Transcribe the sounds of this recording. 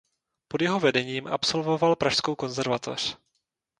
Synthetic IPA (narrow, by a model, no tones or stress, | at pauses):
podjɛɦo̞vɛdɛɲiːmʔa̰pso̞lvo̞valpɾaʃskowko̞nzɛɾvat̪ʰo̰r̝̥